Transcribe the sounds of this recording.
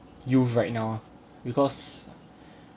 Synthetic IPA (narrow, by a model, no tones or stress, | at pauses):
juɹajt̚naw | bikɔs